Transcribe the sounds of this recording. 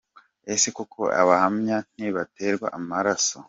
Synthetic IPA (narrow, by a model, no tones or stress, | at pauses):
esekokʰo̰ʔa̰βahamɲan̥iβateɾɡwa̰ʔamaɾaso